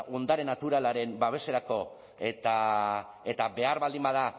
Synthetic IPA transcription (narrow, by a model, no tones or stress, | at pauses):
ʔo̞nd̪aɾe̞nat̪uɾalaɾe̞mbaβ̞e̞se̞ɾako̞ | e̞t̪a | e̞t̪abe̞aɾβald̪imbað̞a